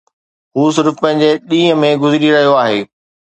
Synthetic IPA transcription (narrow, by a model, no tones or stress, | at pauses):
ɦuːsɪɾfpɐ̃ɦɪ̃ɲd͡ʑeɗĩːə̃mẽɡʊzɾiɾɐɦijoaːɦeː